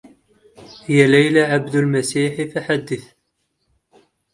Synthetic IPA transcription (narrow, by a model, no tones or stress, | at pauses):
hjælæjlaʕabd̪əlmæsiːħifaħad̪ːəθ